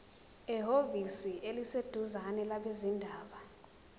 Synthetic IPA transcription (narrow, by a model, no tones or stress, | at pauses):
ɛɦovisiʔelised̥ʱuzanɛlaɓezindʱaːɓa